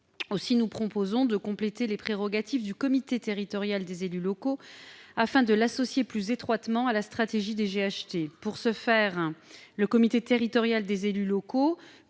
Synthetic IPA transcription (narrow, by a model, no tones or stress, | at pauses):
osinupχɔpozɔ̃d̪əkɔ̃plet̪elepχeʁɔɡat̪ifd̪ykɔmit̪et̪eʁit̪ɔʁjald̪ezelylɔkoafɛ̃d̪əlasɔsjeplyzet̪χwat̪mɑ̃alast̪χat̪eʒid̪eʒeaʃt̪epuʁsəfɛʁləkɔmit̪et̪eʁit̪ɔʁjald̪ezelylɔko